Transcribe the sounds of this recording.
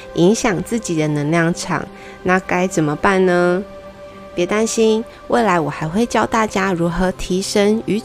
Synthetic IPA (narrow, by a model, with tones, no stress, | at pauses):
i˧˥ŋɕjɑ˨˩ŋt͡sɹ̩˥˩t͡ɕi˨˩d̪ə˦nə˧˥ŋljɑ˥˩ŋʈ͡ʂʰɑ̰˨˩˦ŋ | na˥˨ka˥ɪt͡sə˨˩nmə˦pa˥˩nnə˦ | pjɛ˧˥t̪a˥nɕi˥n | we˥˩ɪla˧˦˥ɪwɔ˨˩xa˧˥ɪxwe˥˧ɪt͡ɕjɑ˥˧ʊt̪a˥˩t͡ɕja˥ɻu˧˥xɤ˧˥t̪ʰi˧˥ʂə˥ŋy˧˥